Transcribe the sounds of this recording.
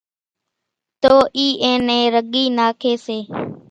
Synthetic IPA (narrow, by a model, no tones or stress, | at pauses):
t̪oːʔiːʔẽːnẽːɾəɠiːnaːkʰeːseː